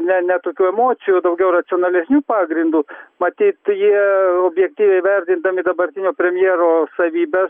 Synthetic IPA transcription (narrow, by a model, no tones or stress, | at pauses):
nʲɛnʲɛt̪oːkʲuːɛmoːsʲɪjuːd̪ɐʊɡʲɛʊrɐsʲɪoːnɐlʲɛsʲnʲuːpɑːɡɾʲɪnd̪uːmɐt̪ʲiːt̪jiɛoːbʲjɛk̚t̪ʲiːʋʲɛɪʋʲɛɾʲd̪ʲɪnd̪ɐmʲɪd̪ɐbɐɾʲt̪ʲɪnʲoːpʲɾʲɛmʲjiɛɾoːsɐʋʲiːbʲɛ